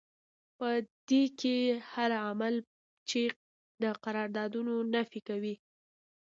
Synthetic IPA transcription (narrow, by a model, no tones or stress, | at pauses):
pəd̪̥ekehaɾamal | t͡ʃe | d̪əqaɾɑɾd̪ɑd̪unonafikawi